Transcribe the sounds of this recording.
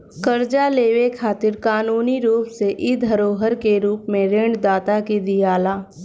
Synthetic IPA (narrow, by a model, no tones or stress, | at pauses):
kɐɾd͡ʒaleːʋekʰaːt̪ɪɾkaːnuːniɾuːpseʔɪd̪ʱɦəɾoːɦəɾkeɾuːpmẽɾẽɳɖd̪aːt̪akid̪ijaːlaː